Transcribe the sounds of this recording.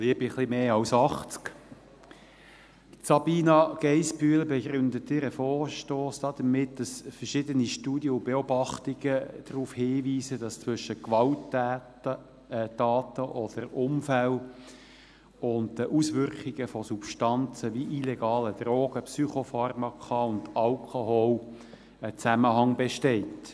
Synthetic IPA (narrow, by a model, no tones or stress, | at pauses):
liəbiχlimeːɑwsɑχt͡sk | sɑbiːnɑɡ̥ɛɪsbyələbɛɡɾʏnd̪ət̪ɪɾəfɔːɾʃtoːsd̥ɑːd̥̪əmɪtd̥ɑsfəɾʃɪdəniʃtuːdjəʊbeɔbɑχtiɡ̥əd̥ɾuːfhiːviːzədɑst͡sʋʏʃəkʋɑlt | dɑːtəʔɔd̥əɾʊmfæl | ʊnddəʔusʋʏɾkiɡ̥əfɔsupʃtɑnt͡səviʔileɡɑːləd̥ɾoːɡ̥əpsyχofɑrmɑkʰɑʊndɑlkʰoɦol | ət͡sæməɦɑŋbeʃtɛɪt